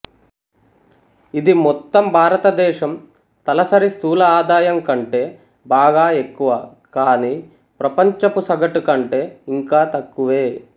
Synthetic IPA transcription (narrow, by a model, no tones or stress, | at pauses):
id̪imɔt̪ːɐmbʱaːɾɐt̪ɐd̪ɛːʃɐm | t̪ɐlɐsɐɾist̪uːlɐaːd̪aːjɐŋkɐɳʈe̞ː | baːɡaːe̞kːuʋɐ | kaːniː | pɾɐpɐɲt͡ʃɐpusɐɡɐʈukɐɳʈe̞ːiŋkaːt̪ɐkːuʋeː